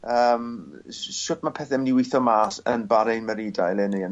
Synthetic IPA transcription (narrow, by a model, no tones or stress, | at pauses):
əːm | ʃʊtmapʰɛθɛmniwɪθɔmaːsənbaɾɛjnməɾidajlˠɛneən